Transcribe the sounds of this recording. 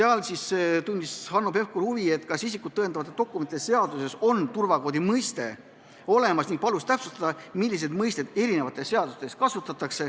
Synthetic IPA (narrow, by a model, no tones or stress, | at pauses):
seɑlsist̪unʲd̪ishɑnːope̞hkuɾhuvie̞t̪ːˑkɑsisikːˑud̪t̪ːɤenɑvɑt̪ːˑet̪o̞kːˑumet̪id̪ese̞ɑd̪use̞so̞nt̪urvɑko̞ːd̪imɤjst̪e̞ | o̞le̞mɑsniŋɡ̥̚pɑlust̪æpsust̪ɑd̪ɑmilʲːis̬e̞d̪mɤjst̪e̞d̪̥e̞ɾine̞vɑt̪ːˑe̞sseɑd̪̥ust̪e̞skɑsut̪ːˑɑt̪ːˑɑkse̞